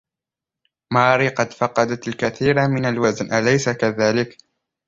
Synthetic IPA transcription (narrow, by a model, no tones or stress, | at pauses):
maːɾiqɑd̪fɑqɑd̪at̪alkaθiːɾamɪnalwaznʔalajsakaðaːlɪk